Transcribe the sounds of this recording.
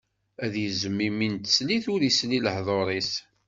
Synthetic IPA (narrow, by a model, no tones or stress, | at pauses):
æðjəzəmːimint̪ə̥sliθʊɾisliləhðˤoɾˤis